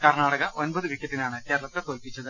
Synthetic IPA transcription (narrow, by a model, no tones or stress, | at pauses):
kɐrɳaːɽɐɣɐʔo̞nbɐðɨʋikːɐʈ̪ːinaːɳɨke̞ːɾɐlɐt̪ːet̪o̞ːlpit͡ɕːɐðɨ